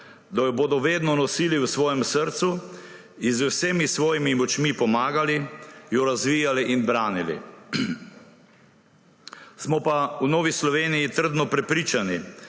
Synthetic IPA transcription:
d̪ajɔboːd̪ɔʋeːd̪nɔnɔsiːliwsʋɔːjɛmsəɾt̪su | izwseːmisʋɔːjimimɔt͡ʃmipɔmaːɡalijɔɾazʋiːjaliʔinbɾaːnilḭ | smɔpawnoːʋislɔʋeːnijit̪əɾd̪nɔpɾɛpɾiːt͡ʃani

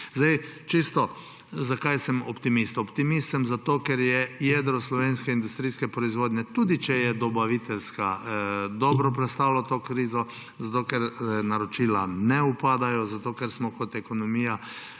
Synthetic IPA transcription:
zd̪ajt͡ʃist̪ɔ | zakajsəmɔpt̪imist̪ɔpt̪imist̪səmzat̪oːkɛɾjɛjɛd̪ɾɔslɔʋeːnskɛind̪ust̪ɾiːskɛpɾɔizʋoːd̪nʲɛt̪uːd̪it͡ʃɛjɛd̪ɔbaʋit̪ɛlskad̪ɔːbɾɔpɾɛt̪st̪aːwlɔt̪oːkɾiːzɔ | zat̪oːkɛɾnaɾɔt͡ʃilanɛupaːd̪ajɔzat̪oːkɛɾsmɔkɔt̪ɛkɔnɔmiːja

